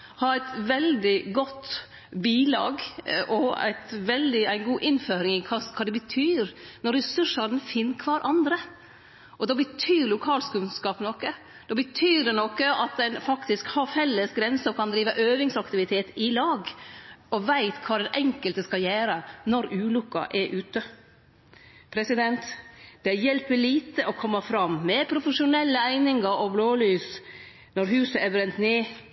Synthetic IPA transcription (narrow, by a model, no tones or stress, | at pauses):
hɑɾæɪt̪ʋɛld̪ɪɡɔt̪ː | biːlɑ̰ːɡʔɔæ̰ɪt̪ʋɛld̪ɪæɪnɡuːʔɪnføːɾɪŋɪkʰɑkʰɑːd̪ɛbət̪ʰyːɾnɔɾːɛsʉʂəɾnfɪnːkʰʋɑːɾʔɑnd̪ɾə | ʔɔd̪ɑːbət̪ʰyːɾlʊkʰɑːlskʉnskɑːpnɔkːə | d̪̥ɑːbət̪ʰyːɾd̪ɛnɔkːəɑt̪̚d̪ɛnfɑkt̪ɪskhɑɾfɛlːəsɡɾɛnsəɔkʰɑnd̪ɾiːʋəʔøːʋɪŋsɑkt̪ɪʋɪt̪ʰeːt̪ɪlɑːɡɔʋæɪt̪kʰʋɑːd̪ɛnʔɛŋkəlt̪əskɑljæːɾənɔɾʉːlʊkːɑ̰ʔɛɾʔʉːt̪ə | pʰɾɛsɪd̪ɛnt̪d̪̥ɛæjɛlpːəliːt̪əʔɔkʰɔmːɑfɾɑmmɛpʰɾʊfəʂʊnɛlːəæɪnɪŋɡəɾɔbloːlyːs | nɔɾɦʉːsəɛɾbɾɛnt̪neː